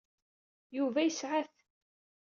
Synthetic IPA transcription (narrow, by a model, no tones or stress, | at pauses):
juvæjəsʕaθ